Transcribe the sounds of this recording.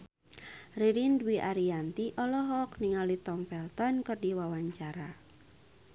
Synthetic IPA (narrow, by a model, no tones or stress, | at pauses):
riɾindwiʔaɾiant̪iʔɔlɔɦɔkniŋalit̪ɔmfɛlt̪ɔnkɨrdiwawaɲt͡ʃaɾa